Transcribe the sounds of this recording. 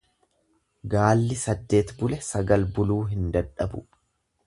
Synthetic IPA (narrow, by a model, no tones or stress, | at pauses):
ɡaːlːɪsɐd̪ːe̞ːt̪bʊlɛsɐɡɐlbʊluːɦɪnd̪ɐᶑɐbʊ̰